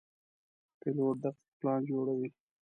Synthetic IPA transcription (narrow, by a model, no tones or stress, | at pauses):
peloʈ̚d̪aq | plɑːnd͡ʒoɽawi